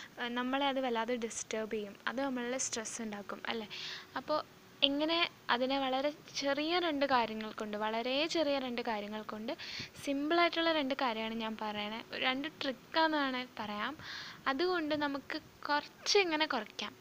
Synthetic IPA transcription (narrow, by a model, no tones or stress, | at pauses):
nɐmːɐɭeɐðɨʋɐlːaːðeɖisʈɐːrbejumɐ̰ðɨnɐmːɐɭulesʈrɐsuɳɖaːkːumɐ̰lːe̞ɐpːo̞ː | iŋːɐne̞ | ɐðineʋɐɭɐɾe̞t͡ɕe̞rijɐɾe̞ɳɖɨkaːɾjɐŋːɐɭko̞ɳɖɨʋɐɭɐɾe̞t͡ɕe̞rijɐɾe̞ɳɖɨkaːɾjɐŋːɐɭko̞ɳɖɨsimbɭaːtːuɭːɐɾe̞ɳɖɨkaːɾjɐmaːɳɨɲaːnpɐrɐjɐɳeoɾeɳɖɨʈrikːaːnɐðaːɳɨpɐrɐjaːmɐðuɣo̞ɳɖɨnɐmukːɨ | kurɐt͡ɕːɨeŋːɐne̞kurɐkʲːaːm